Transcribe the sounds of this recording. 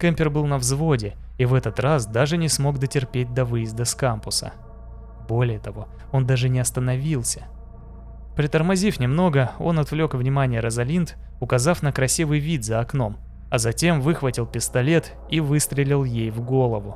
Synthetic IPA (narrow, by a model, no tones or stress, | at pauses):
kɛmʲpʲɪrbɨlˠnɐvzvo̞dʲɪ | ivɛt̪ət̪rasd̪aʐɨnʲɪsmo̞ɡd̪ətʲɪrpʲet̚ʲd̪ɐvɨjɪzd̪əskampʊsə̰ | bo̞lʲɪjət̪ɐvo̞ | o̞nd̪aʐɨnʲɪɐst̪ənɐvʲilˠsʲə̥ | pɾʲɪt̪ərmɐzʲifnʲɪmno̞ɡəo̞̰nɐt̪vlʲo̞kvnʲɪmanʲɪjəɾəzɐlʲint̪ | ʊkɐzafnəkɾɐsʲivɨjvʲid̪zəɐkno̞m | ɐzɐtʲe̞mvɨxvətʲɪlˠpʲɪst̪ɐlʲe̞t̪ | ivɨst̪ɾʲɪlʲɪlˠjejvɡo̞lˠəvʊ